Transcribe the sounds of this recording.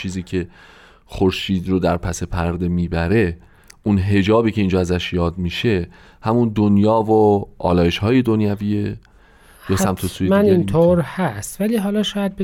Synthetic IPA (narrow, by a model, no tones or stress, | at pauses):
t͡ʃʰiːziːcʲʰe̞ | xoɾʃiːd̪ɾod̪æɾpʰæse̞pʰæɾd̪e̞miːbæɾe̞ | ʔunɦe̞d͡ʒɒːbiːcʰe̞ind͡ʒɒːæzæʃjɒːd̪miːʃe̞ | hæmund̪onjɒːvoʔɒ̰ːlɒːjeʃhɒːje̞d̪onjæviːe | besæmt̪ʰosuimænint̪ʰoːɾhæst̪væliːɦɒːlɒːʃɒːjæd̪̚be